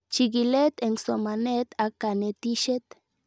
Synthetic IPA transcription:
t͡ʃiɡilet̪eŋsomanet̪akanet̪iʃet̪

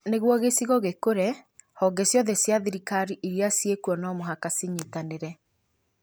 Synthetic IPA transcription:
neɣwɔɣesiɣɔɣekoɾɛhɔɡɛsjɔðɛsjaðiɾikaɾiʔiɾjasjekwɔnɔmoɦakasiɲitaneɾɛ

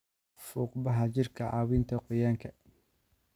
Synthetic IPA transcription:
fuːqbɐɦɐt͡ʃɪrkʰɐʕɑ̰ːwiːnt̪ʰɐqʊjaːŋkʰɐ

